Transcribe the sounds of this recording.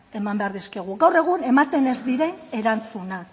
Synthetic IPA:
e̞mambeaɾðiske̞ɣ̞uɣawre̞ɣ̞une̞mat̪e̞ne̞zd̪iɾe̞ne̞ɾant͡sunak

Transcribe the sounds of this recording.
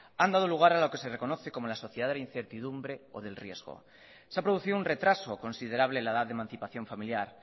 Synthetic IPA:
and̪að̞oluɣ̞aɾalo̞ke̞se̞re̞ko̞noθe̞ko̞molasoθjeðaðelainθeɾt̪ið̞umbɾe̞oð̞e̞lrje̞zɣo̰ | seapɾo̞ð̞uθiðunre̞t̪ɾaso̞ko̞nsiðe̞ɾaβlelaðat̪ðemãnθipaθjo̞ɱfamiljaɾ

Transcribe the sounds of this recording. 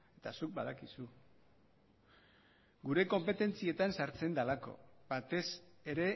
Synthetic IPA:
e̞t̪asuk̚baðakisu | ɡuɾe̞ko̞mpe̞t̪e̞nt͡sie̞t̪ansaɾt͡se̞nd̪alako̞̰bat̪e̞se̞ɾe̞

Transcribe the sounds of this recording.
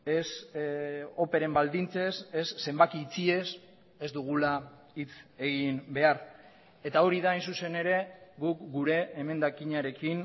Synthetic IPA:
es | o̞pe̞ɾe̞mbald̪int͡se̞sesːe̞mbakiːt͡sie̞s | e̞zd̪uɣ̞ula | it͡se̞ɣimbe̞aɾ | e̞t̪ao̞ɾiðaːjnsuse̞ne̞ɾe̞ɡukɡuɾe̞ːme̞nd̪akiɲaɾe̞kin

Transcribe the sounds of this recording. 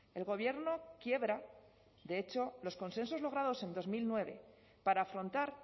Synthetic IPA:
e̞lɣo̞β̞je̞ɾno̞kje̞βɾa | ðe̞et͡ʃo̞lo̞sko̞nsẽ̞nso̞zlo̞ɣ̞ɾað̞o̞se̞nd̪o̞zmilnwe̞β̞e̞̰ | paɾaːfɾo̞nt̪aɾ

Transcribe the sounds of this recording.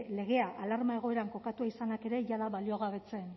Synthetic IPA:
le̞ɣ̞e̞aʔalaɾmae̞ɣ̞o̞e̞ɾaŋko̞kat̪uaisanake̞ɾe̞ʝaðaβalio̞ɣ̞aβe̞t͡se̞n

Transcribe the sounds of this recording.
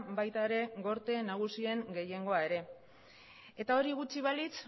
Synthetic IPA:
bajt̪aeɾe̞ɡo̞ɾt̪e̞naɣ̞usie̞ŋɡe̞je̞ŋɡo̞ae̞ɾe̞ | e̞t̪ao̞ɾiɣut͡ʃiβ̞alit͡s

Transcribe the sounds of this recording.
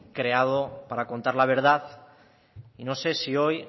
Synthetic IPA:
kɾe̞að̞opaɾako̞nt̪aɾlaβ̞e̞ɾð̞aθ | ino̞se̞sio̞j

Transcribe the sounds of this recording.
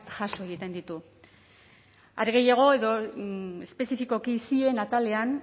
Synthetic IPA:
t̪ʝaso̞e̞ɣ̞it̪e̞nd̪it̪u | a̰ɾeɣe̞jaɣ̞o̞e̞ðo̞espe̞sifiko̞kisie̞nat̪ale̞an

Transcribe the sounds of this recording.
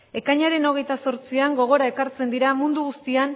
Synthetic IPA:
e̞kaɲaɾe̞no̞ɣ̞e̞jt̪aso̞ɾt͡siaŋɡo̞ɣ̞o̞ɾae̞kaɾt͡se̞nd̪iɾamund̪uɣust̪ian

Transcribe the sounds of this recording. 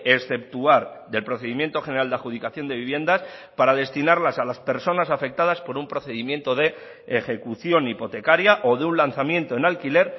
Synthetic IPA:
e̞sθe̞p̚t̪uaɾðe̞lpɾo̞θe̞ðimje̞nt̪o̞xe̞neɾald̪eaxuð̞ikaθjo̞nd̪e̞βiβ̞je̞nd̪aspaɾaðe̞st̪inaɾlasalaspe̞ɾso̞nasafe̞k̚t̪að̞aspo̞ɾumpɾo̞θe̞ðimje̞nt̪o̞ð̞e̞ː | xe̞kuθjo̞nipo̞t̪e̞kaɾjaʔo̞ðeunlanθamjẽ̞nt̪o̞e̞nalkile̞ɾ

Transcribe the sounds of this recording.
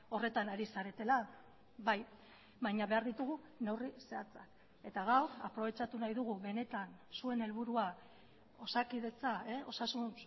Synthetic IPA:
o̞re̞t̪anaɾisaɾe̞t̪e̞la | βaj | βajɲaβe̞aɾðit̪uɣ̞u | ne̞wrise̞at͡sa̰k | e̞t̪aɣawɾa̰pɾo̞β̞e̞t͡ʃat̪unajðuɣ̞uβe̞ne̞t̪ansue̞ne̞lβ̞uɾua | o̞sakið̞e̞t͡saeo̞sasun

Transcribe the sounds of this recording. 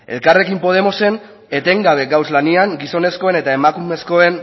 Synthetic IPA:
e̞̰lkare̞kimpo̞ð̞e̞mo̞se̞n | e̞t̪e̞ŋɡaβ̞e̞ɡawzlaniaŋɡiso̞ne̞sko̞e̞ne̞t̪ae̞makume̞sko̞e̞n

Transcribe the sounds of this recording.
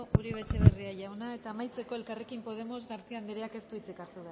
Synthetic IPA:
uɾiβ̞e̞t͡se̞βeriaʝawnae̞t̪aːmajt͡se̞ko̞e̞lkarekimpo̞ð̞e̞mo̞zɣaɾt͡siand̪eɾeake̞st̪uit͡sikaɾt̪uβea

